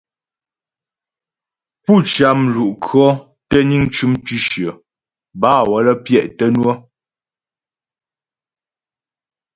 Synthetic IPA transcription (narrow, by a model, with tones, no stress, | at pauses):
pu˦˨t͡ʃa˦m̩˨lu˨ʔkʰɰɔ˦ | tə˦ɲi˦ŋt͡ʃu˦mtʉ˦ʃjə˨ | baː˦˨wɔ˨˦lə˦pjɛ˦˨ʔtə˦nwɔ˦